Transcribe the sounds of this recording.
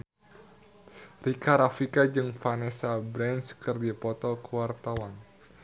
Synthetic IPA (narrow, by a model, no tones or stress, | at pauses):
rikaɾafikad͡ʒɨŋfanɛsabɾɛnskərdipɔt̪ɔkəwart̪awan